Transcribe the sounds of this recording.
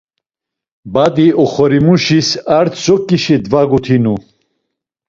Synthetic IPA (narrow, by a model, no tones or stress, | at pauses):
bad̪iʔɔχɔɾimuʃisaɾt̪ʰsɔkʼːiʃid̪vaɡut̪ʰinu